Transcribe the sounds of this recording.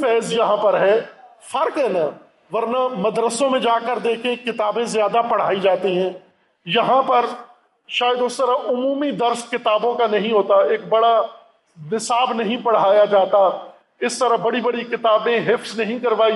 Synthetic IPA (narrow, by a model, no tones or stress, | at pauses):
fɛːzjɐɦãpɐɾɦɛː | fʰɐɾkɦɛna | ʋɐɾnamɐd̪ɾəsõmẽd͡ʒaːkəɾd̪eːkʰẽkɪt̪aːbẽzjaːd̪apɐɽ̤aːid͡ʒaːt̪iɦɛ̃ː | jɐɦãpɐɾ | ʃaːjəd̪ʊst̪əɾaʔʊmuːmid̪ɐɾskɪt̪aːbõkanɐɦĩɦoːt̪aeːk̚bɐɽa | nɪsaːbnɐɦĩpɐɽ̤aːjad͡ʒaːt̪a | ɪst̪əɾəɦbɐɽibɐɽikɪt̪aːbẽɦɪfznɐɦĩkɐɾʋaːi